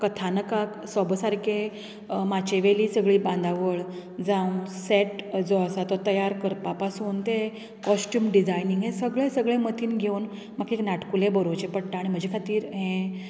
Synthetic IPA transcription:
kət̪ʰanəkaksɔbsaɾkʰe | mat͡ɕeʋeliːsəɡɭiːbãnd̪ʱaʋəɭd͡zãũseʈd͡zoəsat̪ɔt̪əjaɾkəɾpapasuːnt̪e | kɔsʈjuːmɖid͡zajniŋɡɦẽsəɡɭẽsəɡɭẽmət̪ʰiːnɡʱeun | makeknaʈkulebəɾot͡ɕepəɽʈ̪aaːɽim̤əd͡ʑʱekʰat̪iːɾɦẽ

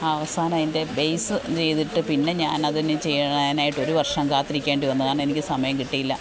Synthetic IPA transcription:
aʋɐsaːnaːjinde̞bejsɨt͡ɕe̞jt̪iʈːɨpinːe̞ɲaːnɐðinɨt͡ɕe̞jːɐɳnaːjiʈːo̞ɾuʋɐrʂɐmkaːt̪ːiɾikʲːeːɳɖiʋɐnːɐðaːɳe̞nikʲːɨsɐmɐjɐmkiʈːijilːɐ

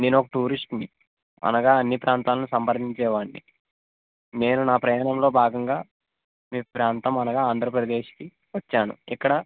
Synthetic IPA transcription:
neːnɔkɐʈuːɾisʈni | ɐ̰nɐɡaːɐnːipɾʔaːnt̪aːlɐnusɐmpɐɾd̪iɲt͡ʃɛːʋaːɳːḭ | ne̞ːnunaːpɾɐjaːɳɐmlo̞ːbʱaːɡɐŋɡaː | miːpɾaːnt̪ɐmɐnɐɡaːaːnd̪ʱɾɐpɾɐd̪e̞ːʃki | ʋɐt͡ʃːaːnṵikːɐɽɐ

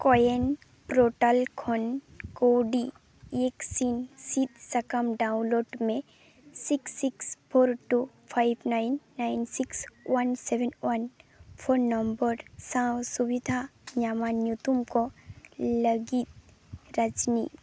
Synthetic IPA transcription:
kɔjen | pɾoːʈalkʰɔnkoɖi | eksinsit̪̚sɐkəmɖaːʊ̃nloːɖmẽ | siksːikspʰoːɾʈu | pʰajbnaɪnːainsikswɐnseʋenwɐnpʰoɾnɐmbəɾsãwsuʋid̪ʱaɲamanjut̪umko | lɐɡit̪̚ | ɾɐd͡ʒnḭ

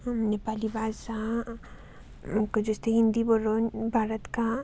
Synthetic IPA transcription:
mnepaːlibaːd̪sa | kɐd͡ʒʊst̪ʰeɦɪ̃nd̪iboɾonbʱaːɾət̪ka

